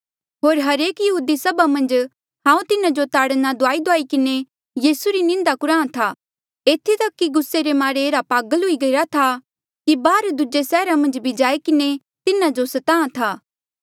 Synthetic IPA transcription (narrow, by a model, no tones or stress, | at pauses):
ɦoːɾɦɐɾeːkjɐɦuːd̪isɐbamɐ̃nd͡ʒ | ɦãːũt̪ɪnãd͡ʒot̪aːɽnad̪ʊaːid̪oaːikɪne | jiːsuɾinɪ̃nd̪akʊɾãːt̪ʰaː | eːt̪ʰit̪ɐkːiɡʊsːeɾemaːɾeːɾapaːɡəlɦʊiɡɐiɾat̪ʰa | kibaːɾd̪ʊd͡ʒesɛːɾamɐ̃nd͡ʒbʱid͡ʒaːekɪne | t̪ɪnad͡ʒosɐt̪ãːãt̪ʰaː